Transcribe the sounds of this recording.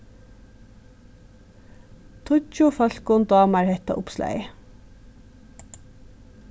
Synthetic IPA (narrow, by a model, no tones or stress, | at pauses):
t̪ʰʊt͡ʃʊfœl̥kʊnd̪ɑːmæɹhɛt̪ɑ̰ʔʊpslæ̰ɪ